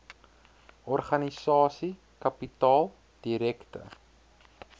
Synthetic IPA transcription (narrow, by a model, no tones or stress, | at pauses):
ɔrχɐnisɑːsi | kɐpitɑːlˠ | d̥iɾɛktə̰